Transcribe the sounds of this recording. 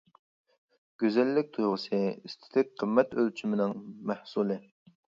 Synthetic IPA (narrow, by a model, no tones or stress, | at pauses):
ɡ̥ʲøzɛlːɪk̚ʲt̪ʰujʁəsɨist̪ʰɪ̥t̪ʰɪk̚qʰəmːɛt̪ølt͡ʃʰimɪnɪŋmæhsulˠɨ